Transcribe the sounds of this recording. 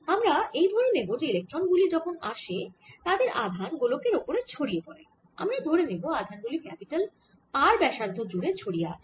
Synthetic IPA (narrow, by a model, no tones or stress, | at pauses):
amɾaʔejd̪ʱoɾenebod͡ʑeilek̚ʈɾonɡulid͡ʑɔkʰonaʃet̪ad̪eɾa̰d̪ʱanɡulokeɾopoɾet͡ɕʰoɽijepɔɾe | a̰mɾad̪ʱoɾeneboad̪ʱanɡulikɛpiʈal | aɾbɛʃaɾd̪ʱod͡ʑuɾet͡ɕʰoɽijea̰ʃʰ